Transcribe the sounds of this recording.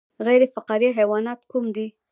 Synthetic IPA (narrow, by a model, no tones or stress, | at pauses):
ɣajɾefaqɑɾiɦawɑnɑt̪kumd̪i